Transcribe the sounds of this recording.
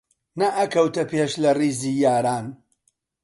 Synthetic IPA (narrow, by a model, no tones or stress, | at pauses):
nɐʔɐkɐwt̪ɐpeːʃlɐriːziːjaːɾaːn